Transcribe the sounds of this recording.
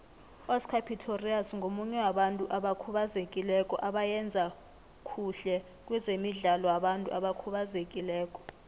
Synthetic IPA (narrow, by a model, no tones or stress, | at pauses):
ɔskʰapʰitʰoriasŋʱomuɲɛwaɓantʼuʔaɓakʰuɓazekʼilɛkʼɔ̰ʔaɓajɛnd͡zʱa | kʰuɬɛ | k̬ʼwɛzemiɮalɔjaɓantʼuʔaɓakʰuɓazekʼilɛːkʼɔ̥